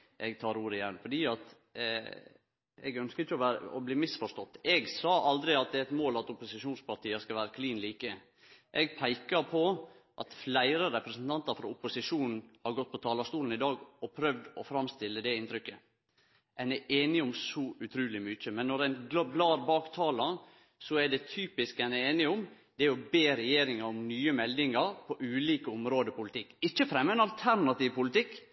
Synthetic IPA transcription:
ʔɛɡ̚t̪ʰɑːɾuːɾɪjɛnːfɔɖiːɑt̪ | ɛɡœnskəɾɪçːəɔʋæɾəɔ̰bliːmɪsfɔʂt̪ɔt̪ːɛɡsɑːʔɑld̪ɾɪɑt̪̚d̪ɛæɪt̪moːlɑt̪ʊpʊsɪʂuːnspɑɾt̪ʰiːəskɑʋæːɾəkʰliːnliːkə | ʔɛɡpʰæɪkəɾpʰɔ | ʔɑt̪flæɪɾəɾɛpɾəsn̩t̪ʰɑnt̪ɑɾfɾɔɾʊpʊsɪʂuːnn̩hɑɾɡɔt̪̚ːpʰɔt̪ʰɑːlɑst̪uːln̩ɪd̪ɑːɡɔpʰɾœʋd̪ɔfɾɑmst̪ɪlːəd̪ɛɪnt̪ʰɾʏkːə | ʔɛnɛʔeːnɪʊmsɔʉt̪ʰɾʉːlɪmʏt͡ʃːəmɛnːɔɾæɪnɡblɑːɾbɑːkt̪ʰɑːlɑ | sɔæɖɛt̪ʰyːpɪskænɛeːnɪʊm | d̪̥ɛæɔbeːɾɛjeːɾɪŋɑɾʊmnyːəmɛld̪ɪŋɑɾpʰɔʔʉːliːkəʊmɾoːd̪əpʊlɪt̪ʰɪkːɪt͡ʃːəfɾɛmːəɛnɑlt̪ʰæɾnɑt̪iːʋpʊlɪt̪ɪkː

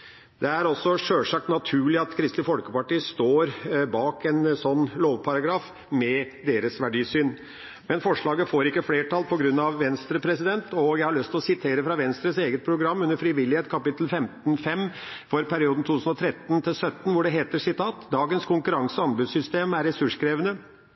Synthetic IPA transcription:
d̪ɛæɾɔsːɔʂøːlʂɑkt̪nɑt̪ʰʉːɭɪɑt̪kʰɾɪst̪ɪfɔlkəpɑʈiːəst̪oːɾbɑːkɛnsɔnːloːʋpʰɑɾɑɡɾɑːf | mɛd̪eːɾəsʋæɖiːsyːn | mɛnfɔʂɭɑːɡəfoːɾɪkːəfleːʈʰɑlpʰɔɡɾʉnːɑʋʋɛnst̪ɾəpʰɾɛsɪd̪ɛnt̪ɔjæɪhɑɭœst̪ʰɪlɔsɪt̪ʰeːɾəfɾɑʋɛnst̪ɾəseːɡət̪̚pʰɾʊɡɾɑmːʉnəɾfɾɪʋɪlɪheːt̪kʰɑpɪt̪ːl̩fɛmt̪n̩fɛmfɔɾpʰæɾɪuːd̪n̩t̪ʰuːt̪ʉsn̩ɔt̪ʰɾɛt̪nt̪ʰɪlsœt̪ːn̩ʋʊɖɛɦeːt̪əʂɪt̪ʰɑːt̪d̪ɑːɡənskʰʊŋkʉɾɑŋsəɑnbʉsʏst̪eːmæɾːɛsʉʂkʰɾeːʋənə

